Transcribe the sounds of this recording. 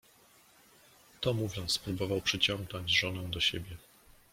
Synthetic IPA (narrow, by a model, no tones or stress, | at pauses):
t̪ɔmuvʲjɔnt̪spɾubɔvawpʂɘt͡ɕɔŋɡnɔɲd͡ʑʐɔnɛw̃d̪ɔɕebʲjɛ